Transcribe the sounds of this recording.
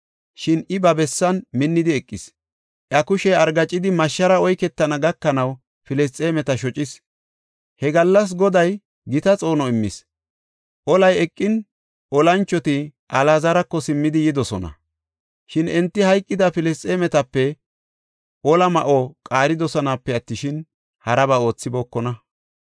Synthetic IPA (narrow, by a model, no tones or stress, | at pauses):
ʃɪnɪbɐbɛsːɐnmɪnːɪd̪ɪɛkʼːɪs | ʔjɐkʊʃɛɐɾɡɐt͡ʃʼːɪd̪ɪmɐʃːɐɾɐɔjkɛt̪ːɐnɐɡɐkːɐnɐw | fɪlɛs̬tʼeːmɛt̪ɐʃɔt͡ʃʼɪs | hɛɡɐlːɐs̬ɡɔd̪ɐj | ɡɪt̪ɐt͡sʼo̞ːnɔɪmːɪ̰s | ʔɔlɐjɛkʼːɪn | ʔɔlɐnt͡ʃːɔt̪ɪʔɐlazɐɾɐkːɔsɪmːɪd̪ɪjɪd̪ɔsɔnɐ̰ | ʃɪnɛnt̪ːɪhɐjkʼːɪd̪ɐfɪlɛstʼeːmɛt̪ɐpːɛ | ʔɔlɐmɐʔɔkʼaːɾɪd̪ɔsɔnapːɛɐt̪ːɪʃɪn | hɐɾɐbɐo̞ːt͡sːɪboːkːɔnɐ